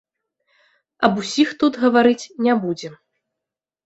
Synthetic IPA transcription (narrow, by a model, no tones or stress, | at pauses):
ɐbusʲixt̪ut̪ɣɐvaɾɨt͡sʲnʲɛbud͡zʲɛm